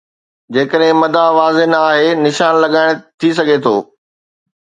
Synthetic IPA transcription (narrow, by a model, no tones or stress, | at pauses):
d͡ʑeːkəɗɦɪ̃mɐd̪ʱaʋaːzɪnaːɦenɪʃaːnlɐɠaːɪɽ̃t̪ʰis̬ɐɡʱet̪ʰoː